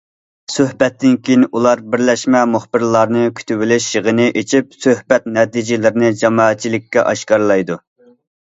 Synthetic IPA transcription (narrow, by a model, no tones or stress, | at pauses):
søhbɛt̪ʰːɪnkʲʰejinʔulˠɑɾbɪɾlɛʃmɛmuχbɪɾlˠɑɾnɨkʲʰy̥t̪ʰybɪlɪʃjəʁənɨʔet͡ʃʰip̚søhbɛt̪̚nɛt̪id͡ʒɪlɪɾɪnɪd͡ʒɑmɑːɛt̪̚t͡ʃʰːilɪkʲːɛ̰ʔɑ̰ʃkɑɾlˠɑjd̪u